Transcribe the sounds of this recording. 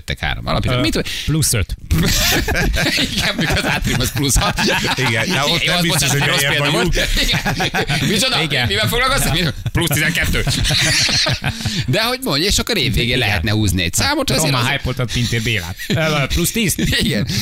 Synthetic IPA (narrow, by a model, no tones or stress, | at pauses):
t̪ːɛ̰kha̰ːɾo̰mɒ̰lɒ̰pjiɛ̰mit̪ːuplusøt̪ | iɡɛnmikɒzaːt̪ɾimɒsplushɒt̪iɡɛoezossɾoseːliɡɛnmit͡ʃod̪iɡɛpivɛlfoɡlɒlkosamiplust̪izɛŋkɛt̪ːøː | d̪ɛɦo̞ɟmo̞ɲeːʃokːɒneːvːeːɡeːlɛɦɛ̰t̪nɛhuːzniɛ̰csaːmot̪ɑoeːɔɦaːjpolt̪ot̪pint̪eːɾbeːla̰ːt̪ːplust̪iːziɡɛn